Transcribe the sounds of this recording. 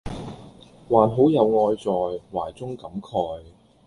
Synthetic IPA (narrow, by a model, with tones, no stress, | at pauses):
waː˨˩nɦo˨˥wjɐ˨˧wŋɔː˧jt͡sɔː˨jwaː˨˩jt͡sʊ˥ŋkɐ˨˥mkʰɔː˧j